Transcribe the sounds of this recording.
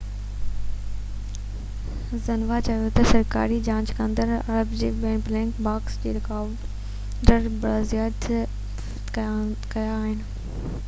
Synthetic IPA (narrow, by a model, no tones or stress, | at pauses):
zɐnʋat͡ɕɐjot̪ɐsɐɾka̰ːɾid͡ʑãːɲd͡ʑkə̃nd̪əɾɐ̰ɾəbd͡ʑḛːʋɛ̃ːnblɛ̃ːŋkbaːksd͡ʑeːɾɪkaːʋ | ɖəɾbɐɾazijaːt̪ʰ | kɐjaːɦɪnɪ̆